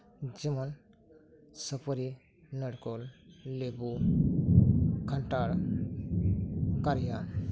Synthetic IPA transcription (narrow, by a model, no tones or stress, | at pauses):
d͡ʒimən | səpəɾi | nəɽkollebu | kʰəɳʈaɽ | kaɾjan